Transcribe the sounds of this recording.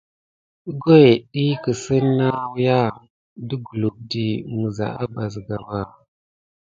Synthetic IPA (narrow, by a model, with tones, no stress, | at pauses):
ɡo˦e˨ɗi˦kə˨sə˦nːa˦wja˦ | də˦ɡu˨lu˨k̚di˨ŋə˨za̰˨ʔa˦ba˨zɡa˨wa˨